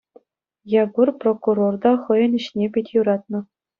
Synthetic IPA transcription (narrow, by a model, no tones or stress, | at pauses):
jɑɡurprokurord̪ɑχɤ̆jɤ̆niɕnʲepʲetʲjuɾɑt̪̚nɤ̆